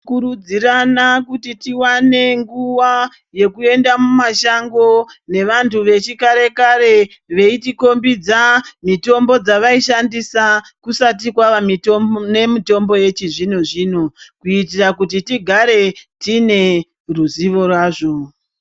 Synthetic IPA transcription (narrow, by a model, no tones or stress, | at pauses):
kurud͡ziranakutitiwane̞ŋɡuʋa | je̞kue̞ndamumaʃaŋɡo̞ne̞ʋantʰuʋe̞t͡ʃikaɾe̞kaɾe̞ | ʋe̞itiko̞mbid͡zamito̞mbo̞d͡zaʋaiʃandisakusat̬ikwaʋamitone̞mito̞mbo̞je̞t͡ʃiʐinoʐiːnokuitirakut̬itiɡʱaɾe̞tine̞ | ruziʋo̞rwaːʐo̞